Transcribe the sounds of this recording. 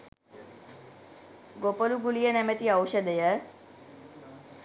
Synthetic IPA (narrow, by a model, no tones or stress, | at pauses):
ɡopəluɡulijənɛmət̪iɐwʃəd̪əjə